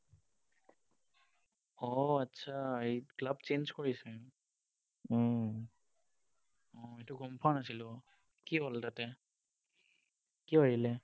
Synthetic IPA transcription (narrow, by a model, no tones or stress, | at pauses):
ɔatːsʰaːiklabt͡ʃenzkoɹisɛ | ɔ̃ | ɔ̃etuɡɔmpʰanasilʊ | kiɦɔltatɛ | kibaɹilɛ